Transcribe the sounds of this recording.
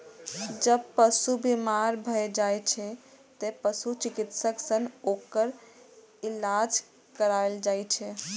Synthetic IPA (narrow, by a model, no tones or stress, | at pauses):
d͡ʒəbpəsubimaɾbʱəed͡ʒajt͡ʃʰɛ | t̪epəsut͡ʃikit̪səksənokəɾ | ilad͡ʒ | kəɾaeld͡ʒajt͡ʃʰɛ